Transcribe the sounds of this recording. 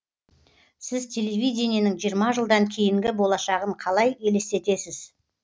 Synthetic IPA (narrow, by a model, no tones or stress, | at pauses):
sɪzt̪ʲʰe̞lʲe̞vʲijdʲe̞nijenɪŋʒijəɾmɑʒəlˠd̪ɑŋkʲʰe̞jɪŋɡʲɪbo̞lˠɑʃɑʁəɴqʰɑlˠɑje̞lest̪e̞t̪e̞sɪz̥